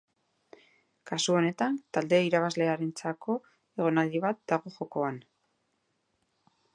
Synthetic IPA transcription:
kasuo̞ne̞t̪ant̪ald̪eiɾaβazle̞aɾe̞nt͡sako̞ | e̞ɣ̞o̞nald̪iβat̪̚d̪aɣo̞xo̞ko̞an

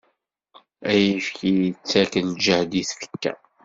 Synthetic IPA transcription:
æjifkijt͡sːækənd͡ʒəhd̪iθfə̥kːæ̰

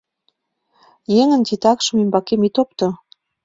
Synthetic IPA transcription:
jeŋə̆nt̪it̪ɑkʃə̆membɑkemit̪op̚t̪o

